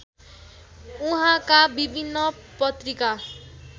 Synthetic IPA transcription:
uɦãkabibʱinːʌpʌt̪rika

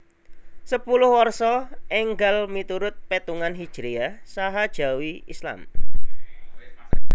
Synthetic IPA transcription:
səpulʊhwɔrsɔʔɛŋɡalmit̪uɾʊt̪̚pet̪uŋanɦid̥ʒ̥ɾiasaɦad̥ʒ̥a̤wiḭsla̰m

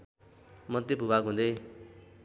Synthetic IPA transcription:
mʌd̪ebʱubaɡɦũnd̪e

